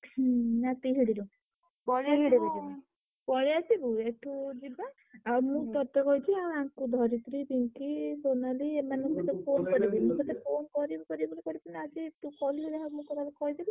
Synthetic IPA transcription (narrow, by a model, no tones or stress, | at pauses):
nat̪iɦiɽiɾu | pɔliaɦiɽibid͡ʒia | pɔɾiasibueʈʰud͡ʒiba | amũt̪ɔt̪ekɔjt͡ʃʰiaw̃aŋkud̪ʱɔɾit̪ɾibiŋkisonaliemanɔ̃kit̪ɔpʰonkɔɾibimũt̪ɔt̪epʰonkɔɾibukɔɾibɔlikɔɾibinaad͡ʒiʈ̪ukɔlɦiɽaɦamũkɔɾalekɔid̪ibi